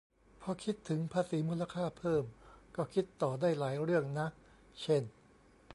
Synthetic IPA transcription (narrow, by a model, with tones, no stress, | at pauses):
pʰɔː˧˩kʰi˦˥t̪ʰːɯ˩˦ŋpʰaː˧siː˩˦muː˧˥˩la˧kʰaː˥˩pʰɤː˥˩mkɔː˥˩kʰi˦˥t̪ːɔː˨˩daː˥˩jlaː˩˦jɾɯ˥˩əŋna˦˥ʔ | t͡ɕʰe˥˩n